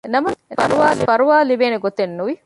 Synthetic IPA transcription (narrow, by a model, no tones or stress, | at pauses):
nɐmɐɐɾuʋaːlifɐɾuʋaːlibeːneɡot̪enːuʋi